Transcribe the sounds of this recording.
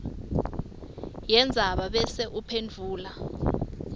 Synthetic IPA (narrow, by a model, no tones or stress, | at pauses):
jɛnd͡zʱaɓaɓɛsɛʔupʰend͡vʱuːla